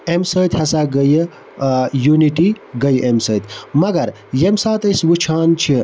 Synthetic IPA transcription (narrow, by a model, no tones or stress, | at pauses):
emsəːt̪hɐsaːɡəj | juniʈi | ɡɐjʔemsəːt̪ʰmɐɡɐɾ | jemsaːt̪əjsʋut͡ʃʰaːnt͡ʃʰi